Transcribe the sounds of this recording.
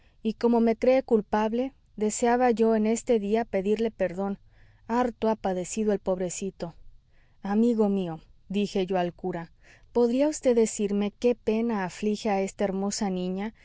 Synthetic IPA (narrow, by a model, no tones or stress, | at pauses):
iko̞mo̞me̞kɾe̞ːkulpaβle̞ | ðe̞seaβaʝo̞e̞ne̞st̪e̞ðiape̞ðiɾle̞pe̞ɾðo̞n | aɾt̪oapaðe̞siðoe̞lpo̞βɾe̞sit̪o̞ | amiɣo̞mio̞d̪ixe̞ʝo̞alkuɾa | po̞ðɾiaust̪e̞ðe̞siɾme̞ke̞pe̞naːflixeae̞st̪ae̞ɾmo̞sanĩɲa